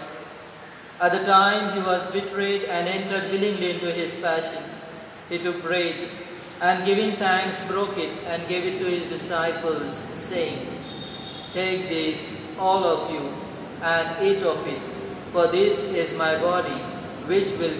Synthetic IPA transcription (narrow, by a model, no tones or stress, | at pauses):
æt̚d̪əʈãɪ̃mɦiːʋɔzbɪʈʰɾeːɖæ̃nɛ̃nʈəɾɖwɪlɪ̃ŋliɪ̃nʈuɦɪz̥pæʃə̃n | hiʈʊk̚pɾeːɖ | æ̃nɡɪʋɪ̃ŋt̪ʰæ̃ŋksbɾoːkɪʈæ̃nɡeːvɪʈːuhɪzdɪsaɪpəlz̥seɪɪ̃ŋ | ʈeːk̚d̪is | ɔːlɔfju | æ̃nɖɪʈɔfɪʈ̚ | fɔɾd̪ɪsɪzmaɪbɔɾĩ | wɪt͡ʃwɪl